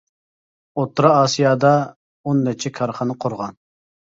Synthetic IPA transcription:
ot̪ːɾɑɑːsijɑd̪ɑ | onːɛt͡ʃʰɛkʰɑɾχɑnɨqʰoɾʁɑn

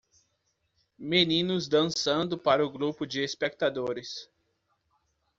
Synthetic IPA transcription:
menĩnʊzd̪ɐ̃sɐ̃nd̪ʊpaɾɐʊɡɾupʊd͡ʒɪespek̚t̪ad̪oɾɪs

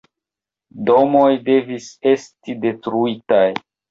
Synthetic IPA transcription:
domo̞jde̞vise̞stide̞tɾuitaj

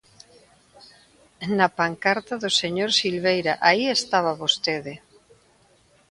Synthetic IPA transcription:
napaŋkaɾt̪aðʊseɲoɾsilβejɾaʔaiest̪aβaβost̪eðe

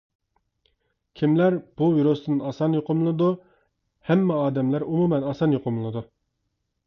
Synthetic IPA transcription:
kʲʰimlæɾb̥uviɾosnɨnɑsɑnjoqʰʊmlɨlˠnˠɨd̪u | hɛmːɛɑːd̪ɛmlæɾumumɛnɑsɑnjoqʰʊmlˠɨd̪u

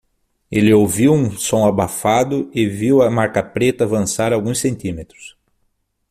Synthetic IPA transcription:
elɪowviwũsõw̃abafad̪ʊɪviwɐmaɾkɐpɾet̪ɐːvɐ̃saɾawɡũsẽnt̪ĩmet̪ɾʊ̥s

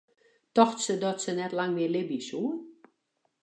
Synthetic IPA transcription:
tɔxtsədɔtsənɛtlaŋmɪəlɪbisuən

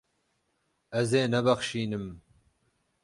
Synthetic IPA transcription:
ɛzeːnɛbɐχʃiːnɨm

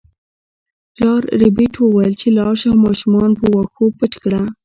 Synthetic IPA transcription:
ɾɑɾɾɪbiʈwəwajəlt͡ʃelɑʃamɑʃumɑnpəwaxopəʈkɽa

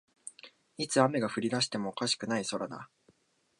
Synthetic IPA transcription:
it͡sɨame̞ɡaɸɯ̟ɾʲid̪aɕi̥t̪e̞mo̞ːkaɕi̥kɯ̟naiso̞ɾad̪a̰

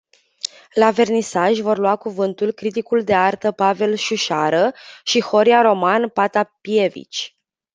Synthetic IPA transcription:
lave̞rnisaʒʲvo̞rluwakuvɨnt̪ulkɾit̪ikuld̪e̞art̪əpave̞lʃuʃaɾəʃixo̞ɾiaɾo̞manpat̪apie̞vḭt͡ʃʲ

